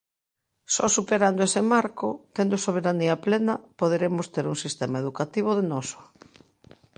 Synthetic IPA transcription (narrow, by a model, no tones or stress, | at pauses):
sɔsupeɾand̪oesemaɾkʊt̪end̪ʊsoβ̞eɾaniɐplenɐpoð̞eɾemʊst̪eɾuŋsist̪emaeðukat̪iβ̞ʊðenɔsʊ̥